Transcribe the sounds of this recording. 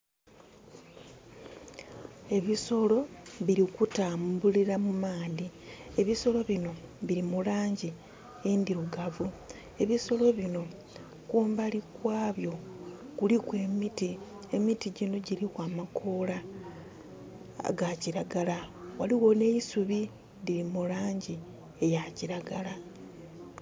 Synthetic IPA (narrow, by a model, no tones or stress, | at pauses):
e̞βiso̞lo̞βiɾikutaːmbuliɾamumaːndie̞βiso̞lo̞βino̞βiɾimulaːɲɟi | endiɾuɡavu | e̞βiso̞lo̞βino̞ | kuːmbalikwaːβjo̞kulikwe̞ːmiti | emitiɟino̞ɟilikwaːmakʰo̞ːla | ɡaciɾaɡalawaliwo̞ne̞isuβi | diɾimulaːɲɟi | ejaciɾaɡala